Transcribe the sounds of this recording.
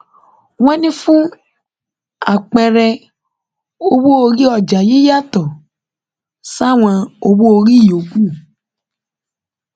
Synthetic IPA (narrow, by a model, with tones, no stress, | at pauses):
w̃ɔ̃˦nĩ˦fũ˦ | a˦˨k͡pɛ˧ɾɛ˧ | o˧wo˦o˧ɾi˦ɔ˨d͡ʒa˨ji˦ja˦˨tɔ˨ | sa˦˨w̃ã˧o˧wo˦o˧ɾi˦˨o˨˦ɡũ˦˨